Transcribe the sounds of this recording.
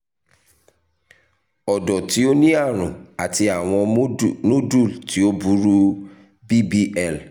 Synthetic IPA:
ɔ˨dɔ˨ti˨˦o˦nĩ˦a˦˨ɾ̃ũ˨a˨ti˧a˨w̃ɔ̃˧˦no˦du˦˨lti˨˦o˦bu˨˦ɾu˦ | bi˦bi˦ɛ˦˨l

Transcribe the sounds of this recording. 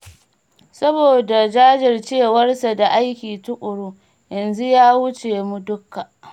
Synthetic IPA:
sɐ˦boː˨da˨d͡ʒaː˦d͡ʒɪ˨rt͡ʃeː˦˨wɐ˦rsa˨da˨ʔa˦jkʲiː˨tʊ˦kʷʼʊ˨ɽu˦ | jɐ˨nzu˦jaː˦wʊ˦t͡ʃeː˨mu˦dʊ˦kːa˨

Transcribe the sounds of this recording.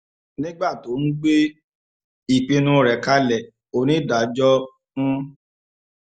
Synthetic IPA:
nĩ˦ɡ͡ba˦˨to˨˦n̩˦ɡ͡be˦ | i˨k͡pĩ˧nũ˦˨ɾɛ˨ka˧˦lɛ˨ | o˨nĩ˨˦˨da˨˦d͡ʒɔ˦ | nũ˦

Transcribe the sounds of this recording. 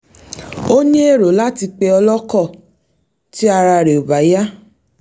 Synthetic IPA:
o˦ɲẽ˦e˦˨ɾo˨˦la˦ti˧k͡pe˧ɔ˧lɔ˦kɔ˦˨ | ti˦a˧ɾa˧ɾe˨o˨ba˨ja˦

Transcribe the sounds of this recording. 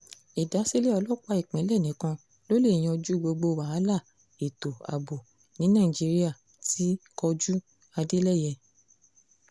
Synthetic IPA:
i˨da˨˦se˦le˦ɔ˧lɔ˦k͡pa˧˦i˦˨k͡pĩ˨˦lɛ˦˨nĩ˨˦kã˧ | lo˦le˦˨j̃ɔ̃˧d͡ʒu˦ɡ͡bo˧ɡ͡bo˧waː˨˦la˦˨ | e˨to˨a̰˨bo˨ | nĩ˨˦nã˦˨i˨d͡ʒi˨˧˦ɾi˦a˦˨ | ti˨˦kɔ˧d͡ʒu˦ | a˧de˦lɛ˦˨jɛ˧

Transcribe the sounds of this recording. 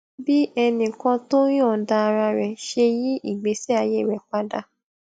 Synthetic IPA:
bi˦ɛ˧nĩ˨kã˧to˦j̃ã˦˨da˧a˧ɾa˧ɾɛ˨ʃe˧ji˦i˦˨ɡ͡be˨˦sɛ˦a˧je˦˨ɾɛ˨k͡pa˦da˧

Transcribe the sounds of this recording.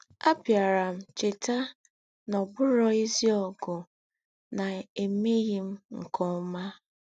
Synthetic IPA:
a˦pja˨ɾa˨m̩˦t͡ʃɪ˨ta˦ | nɔ˨bʊ˦ɾɔ˦i˦zi˦ɔ˨ɡʊ˨ | na˨e˨me˦ɣi˨m̩˦ŋ̩˨kʰɔ˦ma˦

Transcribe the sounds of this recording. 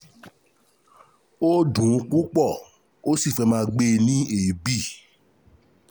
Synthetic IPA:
o˦dũ˨˧˦k͡pu˦k͡pɔ˦˨ | o˦si˦˨fɛ˧mãː˧˦˧ɡ͡be˧˦nĩ˦e˨bi˦˨

